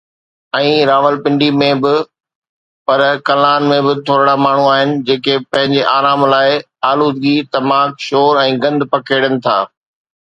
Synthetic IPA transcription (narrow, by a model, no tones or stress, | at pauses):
ɛ̃ːɾaːʋəlpɪ̃ɳɖimẽbɪ | pɐɾkɐlaːnmẽbɪt̪ʰoːɾɽamaːɳ̤uaːɦɪnɪ̆d͡ʑeːkepɐ̃ɦɪ̃ɲd͡ʑeʔaːɾaːmlaːɪ | aːluːd̪ɡit̪ɐmaːkʃoːɾɛ̃ːɡɐ̃nd̪pɐkʰeːɽənɪ̆t̪ʰa̰ː